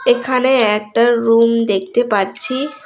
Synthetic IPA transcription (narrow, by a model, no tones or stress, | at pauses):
ekʰaneɛk̚ʈaɾumd̪ek̚ʰt̪epaɾt͡ɕʰi